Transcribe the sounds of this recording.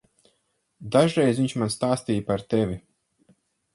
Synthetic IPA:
d̪aʒɾɛjzvʲiɲt͡ʃmanst̪aːst̪iːjpaɾt̪ɛvʲi

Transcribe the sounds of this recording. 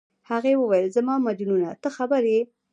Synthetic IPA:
haɣewəwajəlzamɑmad͡ʒununat̪əxabəɾe

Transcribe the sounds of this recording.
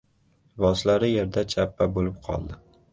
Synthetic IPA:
vɒslaɾɪjeɾd̪at͡ʃʰapːabolɪp̚qʰɒ̰lˠd̪ɪ

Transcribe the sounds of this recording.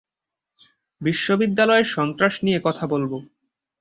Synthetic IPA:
biʃːobid̪ːalɔeɾʃɔnt̪ɾaʃnijekɔt̪ʰabolbo

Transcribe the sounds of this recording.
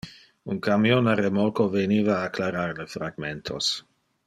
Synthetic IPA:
unkamjonaremolkoveniːvaːklaɾaɾlefɾaɡment̪ʰos

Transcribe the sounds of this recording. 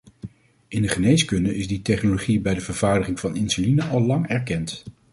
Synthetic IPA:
ʔɪndəχənejskɵndəʔɪzditɛχnoloχibɛjdəvəɹv̥aːɹdəχɪŋvɑnɪnsulinəʔɑlˠlɑŋɛɹkɛnt

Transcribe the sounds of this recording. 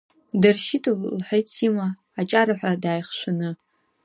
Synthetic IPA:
darʃɪtʰʼallħʷᶣejt͡sʰimaː | t͡ʃʼaɾaħʷᶣadaːjχʃʷanɨ

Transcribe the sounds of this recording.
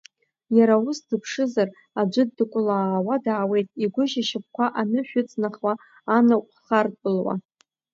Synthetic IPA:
jaɾaʊsdɨpʰʂɨzar | ad͡ʒʷɨdːɨkʷʼʊlaːwadaːwe̞jtʼiɡʷʊʒaʃɪp̚kʷaʔanɨʃᶣʊt͡sʼnaχwa | anakʷʼχartʼʊlwa̰

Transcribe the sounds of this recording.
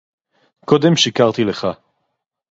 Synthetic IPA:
ko̞d̪e̞mʃikaʁt̪ileχa

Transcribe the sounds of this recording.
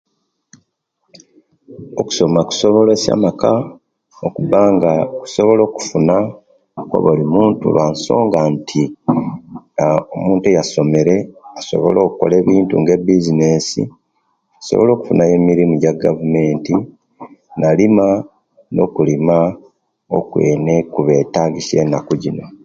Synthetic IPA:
oku̥so̞maku̥so̞βo̞lesa̰maka | okubaːŋɡaku̥so̞βo̞lo̞ːku̥funa | ko̰βolimuːntṵβaːnso̞̰ːŋɡantʰi | omuːntejaso̞me̞ɾe̞aso̞̰βo̞̰lo̞ːkuko̞̰le̞ːβiːntṵŋɡe̞bizine̞sḭ | ku̥so̞̰βolo̞ːku̥funaje̞miɾimuɟaɡavume̞ːnti | nalima | no̞̰kulima | o̰kwe̞̰ːnekuβe̞taːɡise̞ːnːakuɟino̞

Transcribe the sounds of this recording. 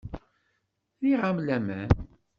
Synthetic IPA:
ðiʁamlæmæ̰n

